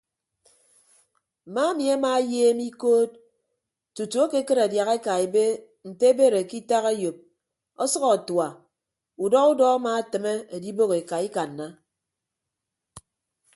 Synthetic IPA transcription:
ma˦e˦mi˨a˦maː˦jeː˦mi˦koː˦t̚ | tu˨tu˨a˦ke˦kɨ˦ɾa˨dja˨ɣe˦ka˨e˨be˦ | n̩˨te˦be˦ɾe˨ki˦ta˦ɣe˦jo˨p̚ | ɔ˦sʌ˦ɣɔ˨twa˨ | u˨dɔ˦ɣu˦dɔ˦a˦ma˦tɨ˨me˦e˨di˦bo˦ɣe˨ka˨i˦ka˨n̩ː˨a˦

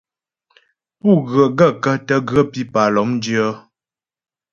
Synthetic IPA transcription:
pu˦˨ɣə˨ʔɡə˦˨kə˦tə˦ɡə˦pi˦pa˨lɔ˨˦m˦djə˦

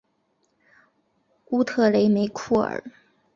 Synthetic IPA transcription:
u˥t̪ʰɤ˥˩le˧˥ɪme˧˥ɪkʰu˥˩ə̰˞˨˩˦

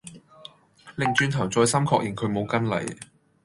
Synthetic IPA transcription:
lɪ˨ŋt͡ʃyː˧nt̪ʰɐ˨˩wt͡sɔː˧jsɐ˥mkʰɔː˧k̚jʔɪ˨ŋkʰɵ˨˧ɥmo˨˧wkɐ˥nlɐ̰˨˩j

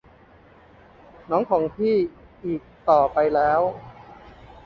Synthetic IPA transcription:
nɔː˦˥ŋkʰɔː˩˦ŋp̪ʰiː˥˩ʔiː˨˩k̚t̪ɔː˨˩pa˧jlɛː˦˥w

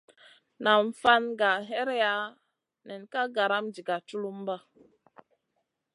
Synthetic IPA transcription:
na˨ɱ˨fa˦nɡa˨ɦe˦ɾja˦ | nɛ˨n˨ka˦ɡa˨ɾa˦md͡ʒi˨ɡa˨t͡ʃu˦lu˦mba˦

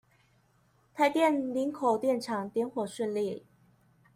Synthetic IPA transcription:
t̪ʰa˧˥ɪt̪jɛ˥˩nli˧˥nkʰo˨˩ʊt̪jɛ˥˩nʈ͡ʂʰɑ˨˩˦ŋt̪jɛ˧˥nxwɔ˨˩ʂi˥˧nli˥˩

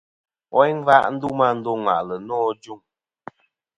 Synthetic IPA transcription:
ɔ˦i˦ŋ˦va˦ʔn̩˦du˦ma˦˨n̩˦do˦ŋwa̰˨ʔlə˨nɔː˦d͡ʒu˦˨ŋ

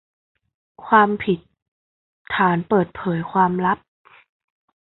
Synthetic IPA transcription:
kʰwaː˧mpʰi˨˩t̪̚ʰː | aː˩˦npɤː˨˩t̪̚pʰɤː˩˦jkʰwaː˧mla˦˥p̚

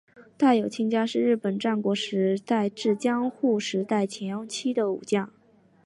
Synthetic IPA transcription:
t̪a˥˩ɪjo˨˩ʊt͡ɕʰi˥ŋt͡ɕja˥ʂɻ̩˥˧ɻɻ̩˥˩pə˨˩nʈ͡ʂa˥˩nkwɔ˧˥ʂɻ̩˧˥t̪a˥˧ɪʈ͡ʂɻ̩˥˩t͡ɕjɑ˥ŋxu˥˩ʂɻ̩˧˥t̪a˥˩ɪt͡ɕʰjɛ˧˥t͡ɕʰi˥d̪ə˨u˨˩t͡ɕjɑ˥˩ŋ

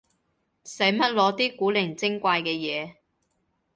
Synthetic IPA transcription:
sɐ˨˥jmɐ˥t̚lɔː˨˧t̪iː˥kuː˨˥lɪ˨˩ŋt͡sɪ˥ŋkʷaː˧jkɛː˧jɛː˨˧

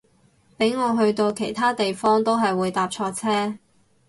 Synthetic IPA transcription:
pe˨˥jŋɔː˨˧ɦɵ˧ɥt̪o˧wkʰe˨˩jt̪ʰaː˥t̪e˨jfɔː˥ŋt̪o˥wɦɐ˨jwuː˨˧jt̪aː˨p̚t͡ʃʰɔː˧t͡sʰɛː˥

